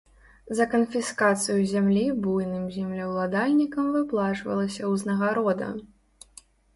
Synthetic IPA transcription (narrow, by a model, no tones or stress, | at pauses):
zɐkɐnfʲiskat̪sɨjuzʲamlʲibujnɨmzʲimlʲɐwlˠad̪alʲnʲikɐmvɨplˠat͡ʂvɐ̰lˠɐsʲɐwznɐɣaɾɔd̪ɐ̰